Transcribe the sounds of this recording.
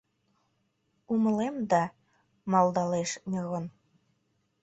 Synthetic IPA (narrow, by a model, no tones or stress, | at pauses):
umə̆lemd̪ɑ | mɑld̪ɑleʃnʲɤɣɤn